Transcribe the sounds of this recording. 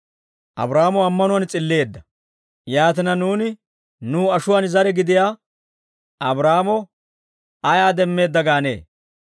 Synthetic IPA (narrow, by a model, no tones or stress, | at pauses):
ʔɐ̰bɾaːmɔɐmːɐnʊwɐnt͡sʼɪlːe̞ːd̪ːɐ | jaːt̪ɪnɐnuːnɪ | nuːɐʃʊwaːnzɐɾɛɡɪd̪ɪjaː | ʔɐbɾaːmɔ | ɐjaːd̪ɛmːe̞ːd̪ːɐɡaːne̞̰ː